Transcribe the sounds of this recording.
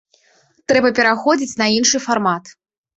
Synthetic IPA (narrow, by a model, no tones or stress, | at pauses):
t̪ɾɛbɐpʲɛɾaxɔd͡zʲit͡sʲnɐinʂɨfarmat̪